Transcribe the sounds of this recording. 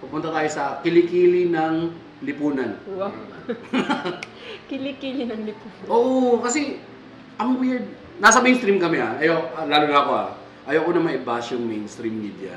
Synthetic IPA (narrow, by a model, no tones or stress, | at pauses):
pɐpʊnt̪ɐt̪aːjosɐkɪlɪkiːlɪnɐŋ | lɪpuːnɐn | kɪlɪkiːlɪnɐŋlɪpuːnɐʔoːʔokɐsɛ | ʔɐŋwɪɹd̪̚ | nasɐmejnst̪ɾimkɐmɛaʔɐjoʔlaːlʊŋɐɐkoʔa̰ | ʔɐjokonɐmɐʔɪbaːʃjʊŋmɛjnst̪ɾimːid̪jɐ̰